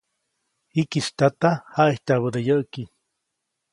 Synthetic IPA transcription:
hikist̪at̪ahaʔeht̪aβəd̪ejəʔki

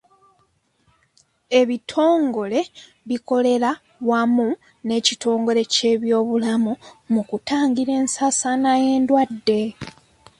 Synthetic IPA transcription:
e̞βitʰo̞ːŋɡo̞le̞ | βiko̞le̞ɾa | wamu | ne̞ːcitʰo̞ːŋɡo̞le̞ce̞ːβjo̞ːβulamumukutaːŋɟiɾe̞ːnsaːsanaje̞ːndwadːe̞

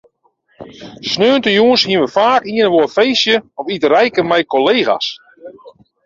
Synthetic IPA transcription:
snøːntəjuənshiənʋəfaːkiənəʋoəfejsjəɔfitərɛjkəmɛjkoleːɣa̰s

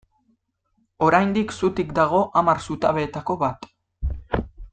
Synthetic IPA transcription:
o̞ɾajnd̪iksut̪ikd̪aɣ̞o̞ʔamaɾsut̪aβe̞ːt̪ako̞βat̪

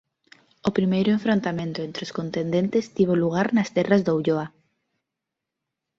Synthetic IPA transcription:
opɾimejɾʊẽɱfɾõnt̪amẽnt̪ʊẽnt̪ɾɪoskont̪end̪ẽnt̪ɪst̪iβ̞oluɣ̞aɾnɐst̪ɛrazd̪owʎoa

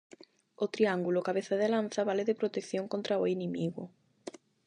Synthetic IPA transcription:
ot̪ɾiaŋɡulokaβeθaðɪlan̟θaβalɪðɪpɾot̪ekθjõŋkont̪ɾaoinĩmiɣʊ

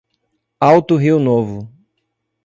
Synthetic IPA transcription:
awt̪ʊɦiwnovʊ

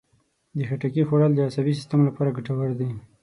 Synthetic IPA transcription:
d̪əxaʈakixoɽald̪əasabis̬ɪ̥st̪amlapɑɾaɡaʈawaɾd̪i

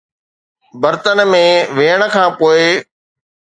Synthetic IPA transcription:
bəɾt̪ənmẽːʋeːəɽ̃̆kʰãːpoːɪ

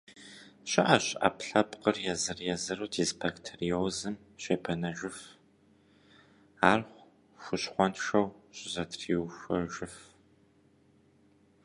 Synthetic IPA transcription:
ɕɪʔɐɕʔɐ̰pɬɐpqərjɛzɨrjɛzɨruːdʰiːzpʰɐktʰrioːzɨm | ɕeːpʰɐnɐʒʷʊf | aːrχʷ | ʃʷʊɕχʷɔntʂɐwɕʼɪzɐtʰriwxʷɐʒɪf

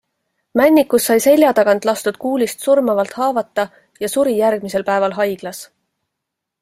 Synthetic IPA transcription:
mænʲːikːˑusːɑjse̞lʲjɑt̪ɑɡ̥ɑnd̪lɑst̪ud̪̥kuːlist̪surmɑvɑlt̪ˑhɑːvɑt̪ːˑɑ | jɑsuɾijærɡ̥̚mise̞lpæevɑlɦɑjɡ̥lɑs

